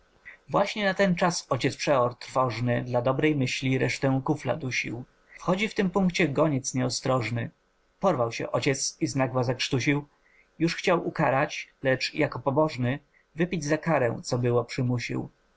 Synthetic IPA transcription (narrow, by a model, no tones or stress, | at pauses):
vwaɕɲɛnat̪ɛnt͡ʂasɔt͡ɕɛt̪spʂɛɔɾt̪ɾfɔʐnɘd̪lad̪ɔbɾɛjmɘɕlʲiɾɛʂt̪ɛkufla̰d̪uɕḭw | fxɔd͡ʑift̪ɘmpuŋkt͡ɕɛɡɔɲɛt̪sɲɛɔst̪ɾɔʐnɘ | pɔɾvawɕɛ̰ʔɔt͡ɕɛt̪siznaɡwazakʂt̪uɕiw | juʂxt͡ɕawʔukaɾat͡ɕlɛt͡ʂjakɔpɔbɔʐnɘ | vɘpʲid͡ʑzakaɾɛ̰w̃t̪sɔbɘwɔpʂɘmuɕḭw